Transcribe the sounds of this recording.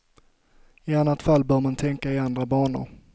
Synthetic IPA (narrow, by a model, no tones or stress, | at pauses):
ɪanːat̪falːbœːɾmant̪ʰɛŋkaɪand̪ɾabɑːɳʊ̰ɾ